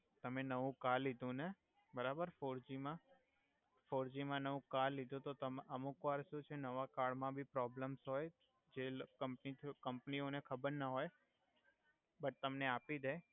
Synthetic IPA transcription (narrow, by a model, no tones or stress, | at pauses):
t̪əmenəʋũkalːid̪ʱũne | bəɾabəɾfoɾd͡ʒimã | foɾd͡ʒimãnəʋũkalːid̪ʱũt̪ot̪əməmukʋaɾʃũt͡ʃʰenəʋakaɭmãbʱipɾɔbləmsɦoj | d͡ʒekəmpnit̪ʰkəmpnionekʰəbəɾnəɦoj | bəʈ̚t̪əmneapid̪ʱe